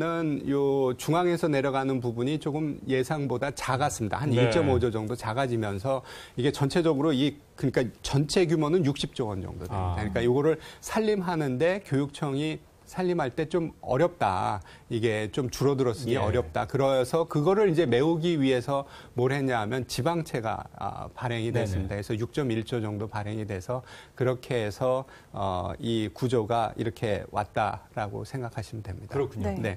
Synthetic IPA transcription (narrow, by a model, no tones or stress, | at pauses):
nɯnjot͡ɕuŋaŋe̞sʰʌne̞ɾjʌɡanɯnpubuɲit͡ɕoɡɯmje̞sʰaŋbodat͡ɕaɡas͈ɯmɲida̰haniɭt͡ɕ͈ʌmʌd͡ʑʌd͡ʑʌŋdot͡ɕaɡad͡ʑimjʌnsʰʌiɡe̞t͡ɕʌnt͡ɕʰe̞d͡ʑʌɡɯɾoi | kɯɲik͈at͡ɕʌnt͡ɕʰe̞ɡjumonɯnjuk̚ɕ͈ip̚t͡ɕ͈oʌnd͡ʑʌ̰ŋdodidakɯɲik͈ajoɡʌɾɯɭsʰaʎːimɦanɯnde̞kjojuk̚t͡ɕʰʌŋi | sʰaʎːimɦaɭt͈e̞t͡ɕomʌ̰ɾjʌp̚t͈a̰ | iɡe̞t͡ɕomt͡ɕuɾʌdɯɾʌs͈ɯɡeʌɾjʌp̚t͈akɯɾʌsʰʌkɯɡʌɾɯɾind͡ʑe̞me̞uɡiɥiɦe̞sʰʌ | moɾɦe̞ɲaɦmjʌnt͡ɕibaŋt͡ɕʰe̞ɡa̰ʌ̰paɾe̞ŋidwes͈ɯmɲidaesʰʌjuk̚t͡ɕ͈ʌmiɭt͡ɕ͈ʌd͡ʑʌŋdopaɾɦe̞ŋidwe̞sʰʌkɯɾʌkʰe̞ːsʰʌ | ʌ̰ikud͡ʑoɡaḭɾʌkʰe̞wa̰t̚t͈a̰ɾaɡo̰sʰe̞ŋɡakʰaɕʰimɯndwe̞mɲid̥akʰuɲne̞